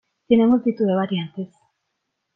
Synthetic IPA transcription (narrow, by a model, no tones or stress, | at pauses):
sinemuzd̪it̪ueβaɾiant̪es